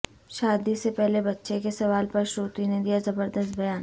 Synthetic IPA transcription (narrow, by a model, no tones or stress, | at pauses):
ʃaːd̪isepɛɦlebɐtːʃekesɐʋaːlpɐɾʃoːt̪ined̪ijazɐbəɾd̪əst̪̚bɐjaːn